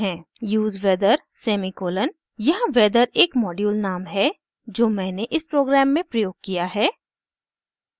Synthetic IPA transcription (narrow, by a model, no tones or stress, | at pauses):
ɦɛ̃ː | juːzʋɛːd̪əɾ | sɛːmikoːlən | jɐɦʋɛːd̪əɾeːkmɔːɖjuːlnaːmɦɛ | d͡ʒoːmɛ̃ːneʔɪspɾoːɡɾɛːmːẽpɾɐjoːɡ̚kijaɦɛː